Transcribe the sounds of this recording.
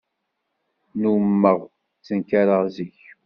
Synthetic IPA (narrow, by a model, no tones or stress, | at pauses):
numːəʁ | t͡sːənkaɾəʁziç